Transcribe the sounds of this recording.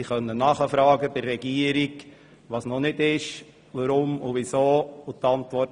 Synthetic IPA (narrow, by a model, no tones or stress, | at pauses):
iχœnːənɑχəfɾɑːɡəb̥ɪrːɛɡiːəɾiɡ | ʋɑːsnɔnɪdɪʃ | ʋəɾʊmʊʋisoːʊtɑntʋɔ